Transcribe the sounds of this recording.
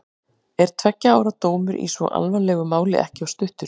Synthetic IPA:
ɛɾ̥t̪ʰvɛcːaaːwɾat̪oːwmʏɾʔḭsvɔ̰ʔa̰lvanlɛːɣʏmaːwlɪ̰ʔɛ̰hcɪawst̪ʏht̪ʏɾ̥

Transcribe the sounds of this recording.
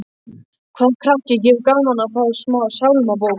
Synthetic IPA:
kʰɛ̥kʰɾahcɪcɪːvkaːmanafaðʏ̥smaːsawlmap̬oːw

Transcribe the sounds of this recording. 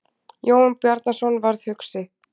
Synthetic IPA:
joːwnpjɛɾt̪nasɔnvaɾð̥hʏksɪ

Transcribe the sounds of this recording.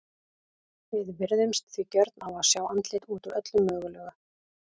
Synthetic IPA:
ɪðvɪɾðʏmst̪θvicœɾt̪nawaðsjaːwant̪let̪uːt̪uɾʔœt̪lʏmːœːɣʏlœːɣa

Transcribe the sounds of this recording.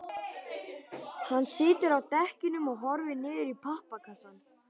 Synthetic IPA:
hanːsɪːt̪ɪɾawt̪ɛhcɪnʏmɔɣɦɔɾvɪnɪːðɪɾipʰahpakʰasan

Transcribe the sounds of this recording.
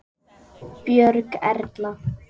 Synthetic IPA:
pjœɾkɛ̰ɾt̪la

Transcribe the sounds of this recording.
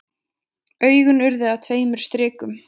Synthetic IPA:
œːɥɣʏnʏɾðɪat̪ʰveːjmʏɾ̥st̪ɾɪːkʏm

